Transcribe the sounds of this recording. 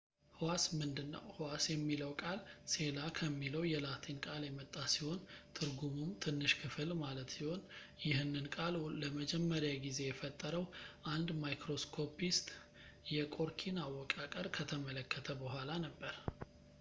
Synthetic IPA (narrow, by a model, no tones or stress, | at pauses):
hwasmɨnd̪ɨnːə̰whwasjɛmːiləwkʼalse̞lakʰəmːiləwjɛlat̪ʰenkʼaljɛmət̪ʼːasiho̞nt̪ʰɨɾɡumumt̪ʰɨnːɨʃkʰɨfɨlmalət̪siho̞n | jɪhɨnːɨnkʼalləməd͡ʒɛmːəɾjaɡize̞jɛfət̪ʼːəɾəwʔand̪majkɾo̞skʰo̞pist̪ʼ | jɛkʼo̞ɾkʰinawːɔkʼakʼəɾkʰət̪ʰəmələkʰːət̪ʰəbəhʷalanəbːəɾ